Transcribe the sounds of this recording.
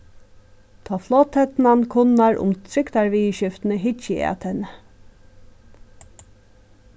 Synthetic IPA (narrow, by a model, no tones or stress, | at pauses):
t̪ʰɑːflɔːt̪hɛt̪nankʰʊnːaɹʔʊ̰mt̪ʰɾɪkt̪aɹʋiːʃɪft̪nəɦɪt͡ʃːəa̰t̪ʰɛnə